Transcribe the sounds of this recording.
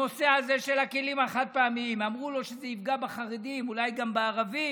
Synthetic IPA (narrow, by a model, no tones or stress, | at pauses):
o̞seaze̞ʃe̞lakelimaχat̪̚peamiimamʁulo̞ʃezeifɡabeχaʁed̪imulajɡambeːʁavi